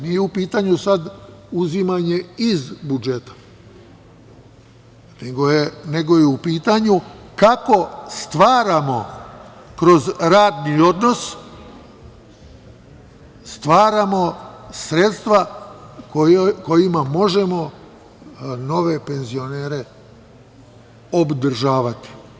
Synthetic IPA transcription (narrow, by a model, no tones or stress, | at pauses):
nijeupiːt̪aɲusad̪uzimaɲe̞izbud͡ʒe̞t̪ḁ | neɡojene̞ɡo̞jeupiːt̪aɲukako̞st̪ʋaːɾamo̞̰ | kɾo̞zɾaːd̪nio̞d̪no̞s | st̪ʋaːɾamo̞sɾe̞t̪st̪ʋakoko̞jimamo̞ʒe̞mo̞ | no̞ʋe̞pe̞nzio̞ne̞ːɾe̞ | o̞bd̪r̩ʒaːʋat̪i̥